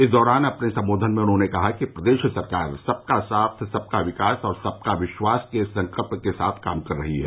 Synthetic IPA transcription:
ɪsd̪ɔːɾaːnɐpnesɐ̃mboːd̪ʱənmẽʊnɦõːnekɐɦakipɾɐd̪eːʃsɐɾkaːɾsɐb̚kasaːt̪ʰsɐb̚kaʋɪkaːsɔːɾsɐb̚kaʋɪʃwaːskesɐ̃ŋkəlpnkesa̰ːt̪ʰkaːmkɐɾːɐɦiɦɛ̰ː

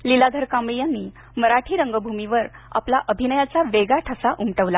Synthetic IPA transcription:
lilad̪ʱəɾkamijanːiː | məɾaʈʰiːɾəŋɡəbʱumiʋəɾ | a̰plaʔəbʱinəjat͡saʋeɡaʈʰasaʔumʈəʋla

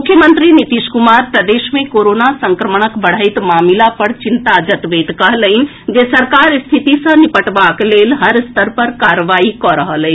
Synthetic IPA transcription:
mukʰjəmənt̪ɾinit̪iʃkumaɾpɾəd̪esmekoɾonasəŋkɾəməɳ̃əkbəɽ̤əjt̪mamilapəɾt͡ʃint̪ad͡ʒət̪ʋeʈ̪kəɦləɪn̆ | d͡ʒesəɾkaɾst̪ʰit̪isə̃nipəʈbaklelɦəɾst̪əɾpəɾkaɾəʋaikɔɾəɦəlɛ

